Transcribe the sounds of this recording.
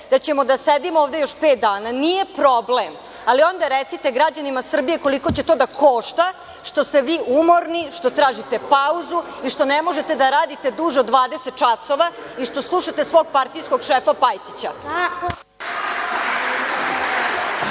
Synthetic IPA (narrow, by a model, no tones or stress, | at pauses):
d̪at͡ɕemo̞d̪ased̪imooːʋd̪ejoʃpeːt̪̚d̪aːnanije̞pɾo̞blem | alio̞nd̪aɾet̪sit̪e̞ɡɾad͡ʑanimasr̩bije̞ko̞liko̞t͡ɕe̞t̪o̞ːd̪akʰoːʃt̪a | ʂt̪o̞st̪eʋiːʔumo̞ɾniʂt̪o̞t̪ɾaːʒit̪e̞pauzuiʃt̪o̞nemo̞ʒe̞t̪ed̪aɾaːd̪it̪e̞d̪uːʒeod̪ːʋaːd̪eset̪̚t͡ʃasoʋa | iʃt̪o̞slˠuʃat̪esʋo̞ːɡ̚paɾt̪ijsko̞ɡʃeːfapajt̪it͡ɕa